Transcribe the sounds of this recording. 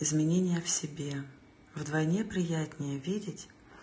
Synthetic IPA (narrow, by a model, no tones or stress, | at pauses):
ɪzmʲɪnʲenʲɪjəfsʲɪbʲe | vd̪vɐjnʲepɾʲɪjætʲnʲɪjəvʲidʲɪtʲ